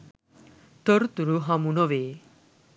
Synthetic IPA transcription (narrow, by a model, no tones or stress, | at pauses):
t̪əɾt̪uɾuɦamunɔʋe